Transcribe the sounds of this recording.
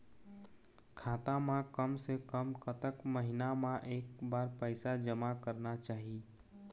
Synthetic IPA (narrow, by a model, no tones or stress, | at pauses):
kʰaːt̪ãmãkəmsekəmkət̪əkməɦinamãʔeːkbaːɾpəɪsad͡ʒəmakəɾnat͡ʃaːɦi